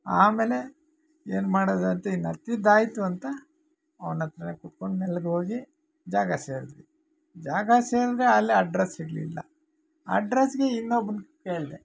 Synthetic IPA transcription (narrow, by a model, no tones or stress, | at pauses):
aːmeːle̞ | eːnmaːɽoːd̪ɐnt̪ɐinːɐt̪id̪aːjt̪uɐnt̪ɐ | ɐʋnɐt̪ːɾɐnekuʈkoɳɖmeːlɡeɦoːɡi | d͡ʒaːɡɐseːɾd̪ɾi | d͡ʒaːɡɐseːɾd̪ɾeaːlːeɐɖɾesiɡɭḭlːɐ̰ | ɐ̰ɖɾesɡeinːobnkeːɭd̪e